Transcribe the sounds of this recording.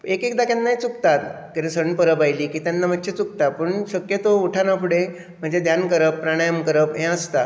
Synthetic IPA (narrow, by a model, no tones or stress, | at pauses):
ekekd̪akjanːaɦit͡sukt̪at̪ | kit̪esəɳpəɾəbajliːkiːt̪janːam̤ət̪ːɕʰet͡suk̚t̪apəɳɕəkjət̪ouʈʰanapʰuɽe | m̤əɳd͡zed̪jankəɾəpːɾaɽ̃ajəmkəɾəpɦẽəst̪a